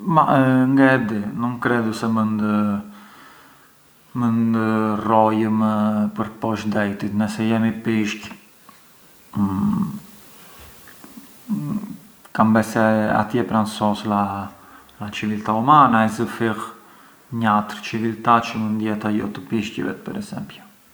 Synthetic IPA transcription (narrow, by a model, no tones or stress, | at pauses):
maŋɡɛd̪inuŋkɾɛd̪usɛmənd̪ə | mənd̪ərɔjəmpəɾpɔʃd̪ɛjt̪it̪nəsɛjɛmipiʃc | kambɛsɛa̰t̪jɛpɾansɔsla | lat͡ʃivilt̪aumanaɛzəfiʁ | ɲat̪əɾt͡ʃivilt̪at͡ʃəmənd̪jɛt̪ajɔ̰t̪əpiʃcə̰vɛ̰t̪̚pɛ̰ɾɛzɛ̰mpɔ